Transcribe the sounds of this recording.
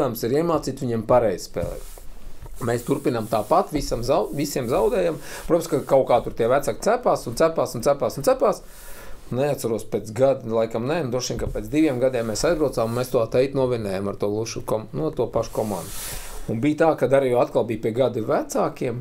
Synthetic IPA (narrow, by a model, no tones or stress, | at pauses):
amsiɾiɛmaːt̪siːt̪ʋiɲiɛmpaɾɛjz̥spɛ̰ːlˠɛ̰ːt̪ | meːst̪uɾpinamt̪aːpat̪ʋisamzaʋisiɛmzawd̪ɛːjampɾɔpskakawkaːt̪uɾt̪iɛʋæt̪sak̚ʲt̪sæpaːsunt̪sæpaːsunt̪sæpaːsunt̪æpaːs | nnɛat̪saɾuɔspʲeːt̪sɡad̪lˠajkamnɛnud̪ɾuɔʃiːnkapeːt̪d̪iʋʲiɛmɡad̪iɛmːesajzbɾaʊt̪saːmunmeːst̪uat̪ɛjt̪nuɔvʲinɛːjamaɾt̪uɔlˠuʃukɔmnuat̪uɔpaʃu̥kɔmã̰ːnd̪uunbijt̪aːkad̪aɾijɔat̪̚kalˠbiːpiɛɡad̪ivæt̪saːkiɛm